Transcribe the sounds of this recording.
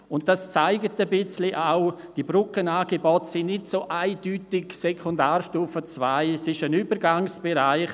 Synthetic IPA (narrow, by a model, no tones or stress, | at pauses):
ʊnt̚d̥ast͡saɪɡətəbɪt͡slɪʔaʊ | d̥ibɾʊkənaːɡ̥ebɔtsɪnnɪtsoʔaɪd̥yːtɪksɛkʰondaːrʃtuːfət͡svaɪsɪʃənyːbəɾɡaŋsb̥eɾaɪχ